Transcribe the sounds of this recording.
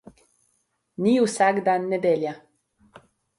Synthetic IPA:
niusaɡd̪aːnːed̪elja

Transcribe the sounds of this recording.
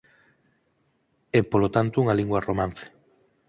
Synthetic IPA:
ɛpolot̪ant̪ouŋaliŋɡwaromãnθe̥

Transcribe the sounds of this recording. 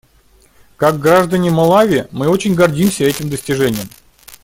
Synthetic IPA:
kaɡɡɾaʐd̪ənʲɪmɐlˠavʲɪmɨo̞t͡ɕɪnʲɡɐrdʲimsʲəɛtʲɪmd̪əsʲtʲɪʐɛnʲɪjəm

